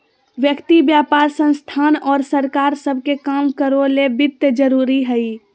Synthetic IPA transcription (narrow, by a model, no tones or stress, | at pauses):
ʋjəkt̪ibjaːpaːɾsə̃nst̪ʰaːnɔːɾsəɾkaːɾsəb̚ʱkekaːmkəɾolebɪt̪ːd͡ʒəɾuːɾiɦəi